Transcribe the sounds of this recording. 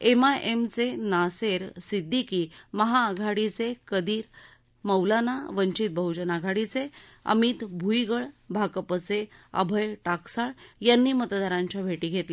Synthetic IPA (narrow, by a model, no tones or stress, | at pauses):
emaʔemt͡senaseɾsid̪ʱːikiːməɦaːɡʱaɽit͡sekəd̪iːɾ | məwlanaʋəɲt͡ɕit̪̚bʱəɦud͡ʑənaɡʱaɽit͡seə̰mit̪bʱujɡəɭbʱakəpət͡seə̰bʱəjʈaksaɭjanːiːmət̪d̪aɾãɲt͡ɕjabʱeʈiːɡʱet̪le